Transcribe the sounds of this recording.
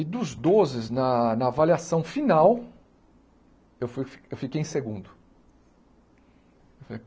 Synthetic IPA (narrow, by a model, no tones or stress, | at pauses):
ɪd̪ʊzd̪ozɪznɐnɐavaliasɐ̃w̃finaw | ewfuewfikejẽseɡũnd̪ʊ | ewfale